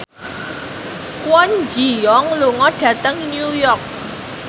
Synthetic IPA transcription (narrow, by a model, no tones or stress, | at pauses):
kwɔnd͡ʒijɔŋluŋɔɖ̥ä̤t̪əŋnjujɔrk̚